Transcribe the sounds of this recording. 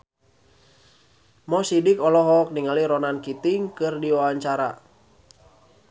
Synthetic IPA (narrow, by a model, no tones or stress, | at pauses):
mɔsidikɔlɔɦɔk̚niŋaliɾɔnankit̪iŋkɨrdiwawaɲt͡ʃaɾa̰